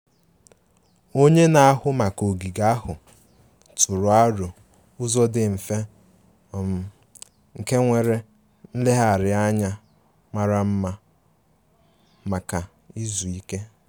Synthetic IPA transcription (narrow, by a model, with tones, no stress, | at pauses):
o˦ɲe˦na˨a˦ɦʊ˦ma˨ko˨ɡi˨ɡa˦ɦʊ˨ | tʊ˨ɾʊ˨a˦ɾo˨ | ʊ˦zɔ˦dɪ˨m̩˨fe˦˨ | m̩˨ | ŋ̩˨ke˦ŋʷe˨ɾe˦ | n̩˦le˦ɦa˦˨ɾɪ˨a˦ɲa˦ | ma˦ɾa˦m̩˦ma˦ | ma˨ka˨ | i˦zu˨i˦ke˦